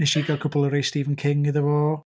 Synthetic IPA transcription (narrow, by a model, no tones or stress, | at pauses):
nɪʃiɡakʰʊbʊlˠəɾejstiːvənkʰɪŋɪðəvoː